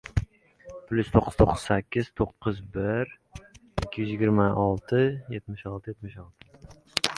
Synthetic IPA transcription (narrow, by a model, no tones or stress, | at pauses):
plʲʊst̪ʰoqʰːɨ̥z̥t̪ʰoqʰːɨ̥z̥sækʲːɪz̥t̪ʰoqʰːʊzbɪɾ | ɪkʲʰːijyzjɪɡʲɪɾmaɒlˠt̪ʰɪjet̪mɪʃɒlˠt̪ʰɪjet̪mɪʃɒlˠt̪ʰɪ̥